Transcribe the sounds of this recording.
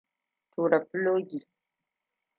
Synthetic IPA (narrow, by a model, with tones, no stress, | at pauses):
tʰuː˨ɾa˨ploː˦ɡi˨